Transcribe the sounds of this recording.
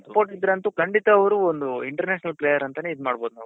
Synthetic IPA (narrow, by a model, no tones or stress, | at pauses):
spoːɾʈid̪ɾeɐnt̪ukʰɐɳɖit̪ɐːʋɐɾuond̪uiɳʈɐɾneːʃnɐlpleːjɐɾɐnt̪ɐneid̪maːɽbo̞ːd̪una̰ːʋ